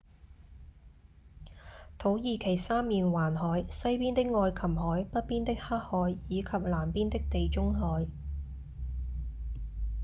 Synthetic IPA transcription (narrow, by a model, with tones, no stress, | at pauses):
t̪ʰo˨˥wjiː˨˧kʰe˨˩jsaː˥mːiː˨nwaː˨˩nɦɔː˨˥jsɐ˥jpiː˥nt̪ɪ˥k̚ŋɔː˧jkʰɐ˨˩mɦɔː˨˥jpɐ˥t̚piː˥nt̪ɪ˥k̚haː˥k̚hɔː˨˥jːiː˨˧kʰɐ˨p̚laː˨˩mpiː˥nt̪ɪ˥k̚t̪e˨jt͡ʃʊ˥ŋɦɔː˨˥j